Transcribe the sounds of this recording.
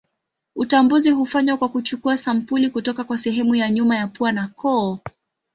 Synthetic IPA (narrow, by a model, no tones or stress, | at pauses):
utambuziɦufaɲwakwakut͡ʃukuasam̩pulikutɔkakwasɛɦɛmujaɲumajapuanakɔː